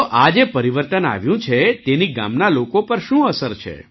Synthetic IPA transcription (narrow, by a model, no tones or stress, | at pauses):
oʔad͡ʒepəɾiʋəɾt̪əna̰ʋjũt͡ʃʰet̪eniɡa̰mnalokopəɾʃũəsəɾt͡ʃʰḛ